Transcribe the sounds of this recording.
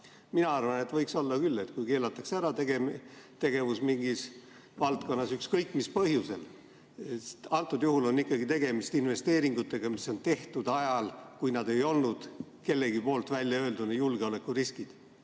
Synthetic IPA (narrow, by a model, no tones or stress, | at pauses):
minɑɑrvɑne̞t̪vɤjkso̞lːɑkylːe̞t̪kujke̞ːlɑt̪ːˑɑksæɾɑt̪eɡet̪e̞ɡe̞vusmiŋɡ̥is | vɑlt̪̚ko̞nːɑsykskɤjkːˑmispɤɦjuse̞l | et̪ɑlt̪ːˑud̪juhulo̞nːikːˑɑɡit̪e̞ɡ̥e̞mist̪inve̞st̪e̞ːɾiŋɡ̥ut̪ːˑe̞ɡ̥ɑmiso̞nt̪e̞ht̪ud̪̥ɑjɑlkujnɑd̪e̞jo̞lnud̪̥ke̞lːe̞ɡipo̞ːlt̪vælʲjɑø̞ːld̪unejulɡ̥eo̞le̞kːˑuriskid̪̥